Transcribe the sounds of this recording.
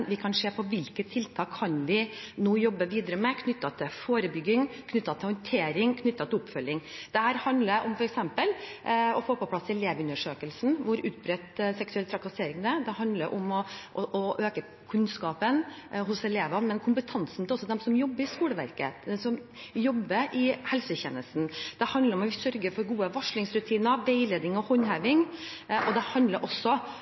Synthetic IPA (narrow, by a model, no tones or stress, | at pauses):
ʋɪkʰɑnʂeːpʰɔʋɪlkət̪ʰːɪlt̪ʰɑːkʰːɑnʋɪnoːjɔbːəʋiːd̪əɾəmɛkʰnʏt̪ːɑt̪ʰɪfoːɾəbʏɡɪŋkʰnʏt̪ːɑt̪ʰɪlhɔnt̪ʰeːɾɪŋkʰnʏt̪ːɑt̪ʰɪlʊpfœlːɪŋd̪̥ɛhæːɾhɑnd̪ləʔɔmfɔɾɛksɛmpəlɔfoːpɔpʰlɑsːɛleːʋʉnəʂøːkəlsn̩ʋʊɾʉːt̪̚bɾɛt̪sɛksʉɛlt̪ʰɾɑkɑseːɾɪŋd̪əd̪ɛhɑnd̪ləɾʔɔmɔʔɔʔɔʔøːkə | kʰʉnskɑːpən | ɦʊsɛleːʋɑnmɛnkʰʊmpət̪ʰɑnsn̩t̪ɪɔsːɔd̪ɛmsɔmjɔbːəɾɪskuːləʋæ̰ɾkə̰d̪ɛmsɔm | jɔbːəʔɪhɛlsəçɛ̰nəsn̩d̪̥ɛhɑnd̪əɾɔmɔʋɪsœɾɡəɾfɔɾɡuːəʋɑʂɭɪŋsɾʉt̪ʰiːnəʋeɪleːd̪ɪŋɔhɔnhæːʋɪŋ | ʔɔd̪ɛhɑnd̪ləɾʔɔsːɔ